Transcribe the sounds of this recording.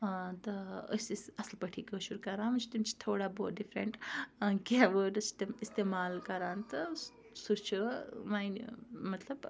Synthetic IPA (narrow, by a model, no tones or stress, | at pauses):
t̪ɐɐ̰sisɐslpɐʈʰiːkəʃuɾukɐɾãːnmɐt͡ʃt̪umt͡ʃʰi̥t̪ʰoːɽaːboːt̪̚ɖifʰɾɐ̰ɳʈkaʋəɾɐst̪ist̪eːmaːlkɐɾãːnt̪ɐ | sut͡ʃʰumaːjnmɐt̪ʰlɐb